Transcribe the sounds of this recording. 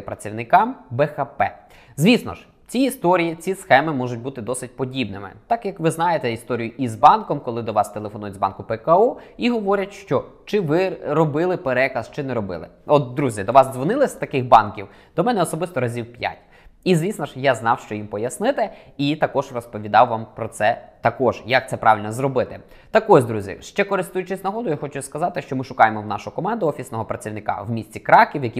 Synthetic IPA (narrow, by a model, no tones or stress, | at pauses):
pɾɐt͡sʲiwnɪkɑmbɛxɐpɛ̰ | zʲʋʲisnɔ̰ʒ | t͡sʲiist̪ɔɾʲijit͡sʲisxɛmɪmɔʒʊt̚ʲbut̪ɪd̪ɔsɪt̚ʲpɔdʲibnɪmɪ̰t̪ɑkjɐkʋɪznɑjet̪ɛist̪ɔɾʲijʊʔizbɑnkɔmkɔlˠɪd̪ɔʋɑst̪elˠefɔnujʊtʲzbɑ̰nkʊpɛkɐuiɦɔʋɔɾʲɐtʲʃt͡ʃɔt͡ʃɪʋɪɾɔbɪlˠɪpeɾɛkɐst͡ʃɪnɛɾɔbɪ̰lˠɪ̰ɔt̪d̪ɾuzʲjɐd̪ɔʋɑzzʋɔnɪlˠɪsʲt̪ɐkɪxbɑnkʲiw | d̪̥ɔmɛnɛɔsɔbɪst̪ɔɾɐzʲiwpʲja̰tʲ | izʲʋʲisnɐʒjaznɑwʃt͡ʃɔjimpɔjɐsnɪt̪ɪit̪ɐkɔʒrɔspɔʋʲid̪ɑwːɑmpɾɔt̪sɛt̪ɐkɔʒjɐk̚t̪sɛpɾʔɑ̰ʋʲilʲnɔzɾɔbɪt̪ɪ | t̪ɐkɔzʲd̪ɾuzʲḭʃt͡ʃɛkɔɾɪst̪ujʊt͡ʃɪsʲnɐɦɔd̪ʊjaxɔt͡ʃʊskɐzɑt̪ɪʃt͡ʃɔmɪʃʊkɑjemɔwnɑʃʊkɔmɑnd̪ʊɔfʲisnɔɦɔpɾɐt͡sʲiwnɪkɑ̰wmʲisʲt͡sʲikɾɑkʲiwjɐkʲi